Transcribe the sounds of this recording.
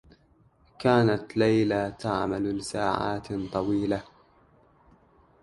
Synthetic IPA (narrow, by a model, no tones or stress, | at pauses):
kaːnat̪lajlat̪aʕmallɪsaːʕa̰ːt̪t̪ˤɑwiːla